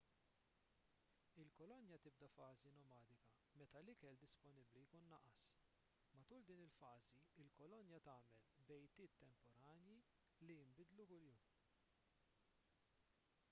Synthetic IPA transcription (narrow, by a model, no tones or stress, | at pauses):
ɪlkɔlɔnjɐt̪ɪb̚d̪ɐfɐːzinɔmɐːd̪ɪkɐ | mɛt̪ɐlɪkɛld̪ɪspɔnɪblijkuːnːɐʔːɐs | mɐt̪uːld̪iːnɪlfɐːziɪlkɔlɔnjɐt̪ɐːmɛlbɛjt̪ɪːt̪ːɛmpɔɾɐːnji | lijɪmbɪd̪lukʊljuːm